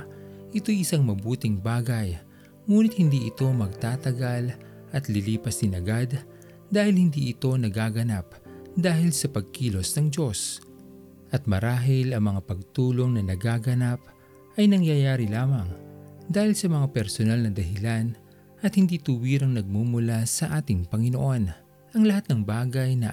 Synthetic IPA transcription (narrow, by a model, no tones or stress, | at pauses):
ʔɪt̪o̞jɪsaŋmɐbuːt̪ɪŋbaːɡɐj | ŋuːnɪt̪̚hɪnd̪iʔɪt̪o̞mɐɡ̚t̪aːt̪ɐɡal | ʔɐt̪lɪliːpɐsd̪ɪnɐɡad̪ː | aːhɪlhɪnd̪iʔɪt̪o̞nɐɡaːɡɐnap̚ | d̪aːhɪlsɐpɐɡ̚kiːlo̞snɐŋd͡ʒo̞s | ʔɐt̪̚mɐɾaːɦɪlɐŋmɐŋapɐɡ̚t̪uːlo̞ŋnɐnɐɡaːɡɐnap̚ | ʔɐjnɐŋjajaːɾilaːmɐŋd̪aːhɪlsɐmɐŋapɛɾsonalnɐd̪ɐɦɪlan | ʔɐt̪hɪnd̪it̪uwiːɾɐŋnɐɡ̚mumʊlasɐʔaːt̪ɪŋpɐŋɪnoʔo̞n | ʔɐŋlɐhat̪̚nɐŋbaːɡɐjnɐ